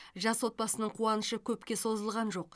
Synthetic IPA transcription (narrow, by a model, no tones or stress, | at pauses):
ʒɑswo̞t̪̚bɑsənəɴqʰuɑnəʃəkʲʰɵpkʲe̞so̞zəlˠʁɑnʒo̞q